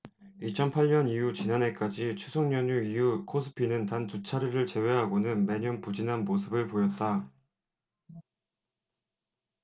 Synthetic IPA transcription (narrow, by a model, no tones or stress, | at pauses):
it͡ɕʰʌnpʰaɭɲʌnijut͡ɕinane̞k͈ad͡ʑit͡ɕʰusʰoŋɲʌɲuijukʰosʰɯ̥pʰinɯntantut͡ɕʰaɾiɾɯɭt͡ɕe̞we̞ɦaɡonɯnme̞ɲʌnpud͡ʑinɦanmos̬ʰɯbɯɭpojʌt̚t͈a